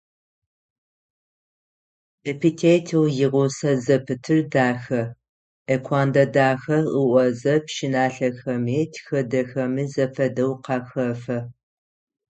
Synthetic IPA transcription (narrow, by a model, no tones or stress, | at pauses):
epʰitʰeːtʰiwjɪʁʷʊsɐzɐpʰɨtʰɨrdaːxɐ | ʔekʷʰaːndɐdaːxɐʔəʔʷɔzɐpʃɪnaːɬɐxɐmeːtʰxɐdɐxɐmizɐfɐdɐwqɑxɐfɐ